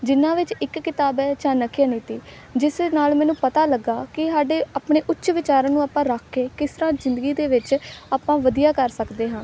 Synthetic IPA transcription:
d͡ʒɪnːãːʋɪt͡ʃɪkːɪt̪aːbɛːt͡ʃaːnəkʰjaːniːt̪iː | d͡ʒɪsnaːlmɛːnũːpət̪aːləɡːaːkɪsaːɖeːaːpɳeːʔʊtːʃʋɪt͡ʃaːɾãːnũːaːpãːɾəkʰːeːkɪst̪əɾãːzɪnd̪əɡiːd̪eːʋɪt͡ʃaːpãːʋəd̪ijaːkəɾsəkd̪eːɦãː

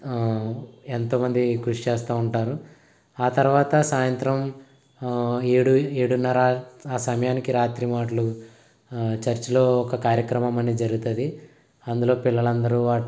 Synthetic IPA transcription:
ent̪o̞ːmɐnd̪ikɾuʂit͡ʃeːst̪aːuɳʈaːɾu | aːt̪ɐɾuʋaːt̪ɐsaːjɐnt̪ɾɐm | eɽueːɽunːɐɾaːaːsɐmɐjaːnikiɾaːt̪ɾimaːʈɐlu | t͡ʃɐɾt͡ʃilo̞ːɔkɐkaːɾjɐkɾɐmɐmɐnid͡ʒɐɾuɡut̪ɐd̪i | ɐnd̪ulo̞ːpilːɐɭɐnd̪ɐɾuʋaː

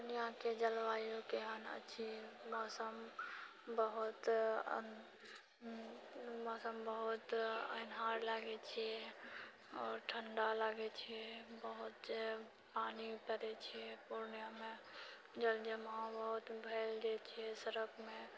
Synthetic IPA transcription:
pnijãked͡ʒəlʋaːjokeɦənə̰tːʃʰimɔːsəm | bəɦʊt̪ | mɔːsəmbəɦʊt̪ənɦaːɾlaːɡet͡ʃʰie | ɔːɾʈʰəɳɖalaːɡet͡ʃʰiebəɦʊt̪d͡ʒe | paːnipəɾet͡ʃʰiepuɾnijamẽ | d͡ʒəld͡ʒemabəɦut̪bʱeːld͡ʒet͡ʃʰiesəɾəkʰmẽ

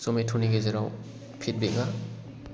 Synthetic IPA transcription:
sometʰuniɡezeɾaw | pʰit̚beŋa

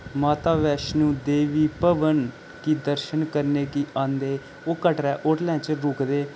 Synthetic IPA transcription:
maːt̪aːʋɛːʃnũːd̪eːʋiːpəʋən | kid̪əɾʃənkəɾneːkiʔãːnd̪eː | oːkəʈɾɛːʔoːʈlɛ̃ːt͡ʃɾʊːkd̪eː

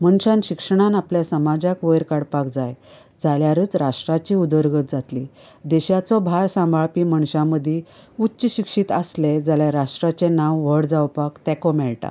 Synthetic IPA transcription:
məɳɕãnɕikʂəɽ̃anapljasəmad͡ʑakʋəjɾkaɽpakd͡zaj | d͡zaljaɾəːt͡sɾaʂʈɾat͡ɕiːud̪əɾɡət̪̚d͡zat̪li | d̪ɛɕat͡sɔbʱaɾsãmbʱaɭpiməɳɕãməd̪ʱeutːɕəɕikʂit̪asled͡zaljaɾaʂʈɾat͡senawʋəɽd͡zawpakt̪ɛ̃kɔmɛɭʈa̰

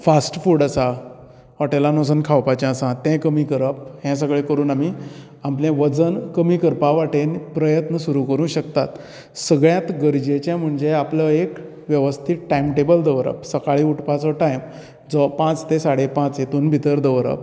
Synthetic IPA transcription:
fasʈfuːɖəsa | ʋaʈelanos̬ənkʰawpat͡ɕãasãt̪ɛ̃kəmiːkəɾəp̚hɛ̃s̬əɡɭekəɾuːnami | amplẽʋəd͡zənkəmiːkəɾpaʋaʈenpɾəjət̪nəsuɾũkəɾũɕəkt̪at̪ | səɡɭjãt̪ɡəɾd͡ʑet͡ɕɛ̃m̤əɳd͡ʑeapləek | ʋjəʋəst̪ʰit̪ʈajmʈebəld̪əʋɾə̰psəkaɭiːuʈpat͡sɔʈajm | d͡zɔpãt͡st̪ẽsaɽepãt͡set̪uːnbʱit̪əɾd̪əʋɾə̰p̚

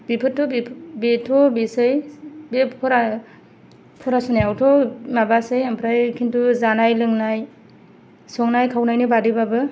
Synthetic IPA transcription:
bipʰɯtʰːɔbbetʰɔbesɯjbepʰɔɾa | pʰɔɾasɔnajawtʰɔmabasɯjampʰɾajkʰintuzanajlɯŋnaj | sɔŋnajkʰawnajnɯbadibabɯ

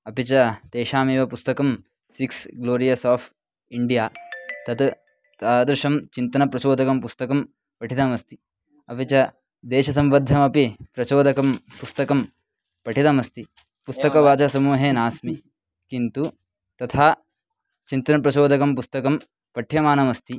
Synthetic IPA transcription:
ɐpit͡ʃɐt̪eːʃaːmeːʋɐpust̪ɐkɐm | siksɡloːɾijɐsaːpʰ | iɳɖijaːt̪ɐt̪ | t̪aːd̪ɾuʃɐmt͡ʃint̪ɐnɐpɾɐt͡ʃoːd̪ʱɐkɐmpust̪ɐkɐm | pɐʈʰit̪ɐmɐst̪i̥ | ɐpit͡ʃɐ | d̪eːʃɐsɐmʋɐd̪ʱːɐmɐpipɾɐt͡ʃoːd̪ɐkɐmpust̪ɐkɐm | pɐʈʰit̪ɐmɐst̪i | pust̪ɐkɐʋaːt͡ʃɐsɐmuːɦeːnaːsmi | kint̪u | t̪ɐt̪ʰaː | t͡ʃint̪ɐnɐpɾɐt͡ʃoːd̪ʱɐkɐmpust̪ɐkɐm | pɐʈʰjɐmaːnɐmɐst̪i

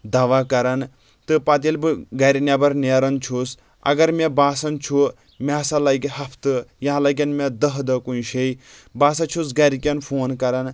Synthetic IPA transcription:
d̪aʋaːkɐɾɐn | t̪ɨpat̪̬ilbɨɡɐɾinʲabɐɾneːɾɐnt͡ʃʰus | ɐ̰ɡɐɾmebaːsɐnt͡ʃʰu | mʲeɐsalɐjkiɦɐpʰt̪ɨjãɦlɐkʲɐnmʲed̪ɐɦd̪ɐkuiʃejbaːsɐt͡ʃʰusɡɐɾikʲɐnpʰoːnkɐɾɐn

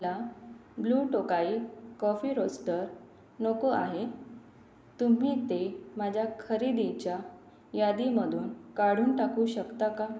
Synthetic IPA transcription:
labluːʈokaiːkɔfiːɾosʈəɾ | nokoaɦe | t̪um̤iːt̪emad͡ʑʱjakʰəɾid̪it͡ɕja | jad̪iməd̪ʱuːnkaɽ̤uːnʈakuːɕəkt̪aka

